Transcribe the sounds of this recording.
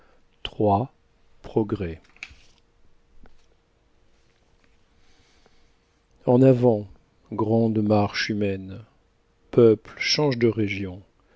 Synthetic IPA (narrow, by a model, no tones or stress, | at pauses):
t̪χwa | pχɔɡʁɛ | ɑ̃navɑ̃ | ɡʁɑ̃d̪maʁʃymɛn | pœplʃɑ̃ʒd̪əʁeʒjɔ̃